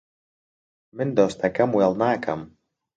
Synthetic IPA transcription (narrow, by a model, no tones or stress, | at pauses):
mɘnd̪ost̪akamualˠnaːka̰m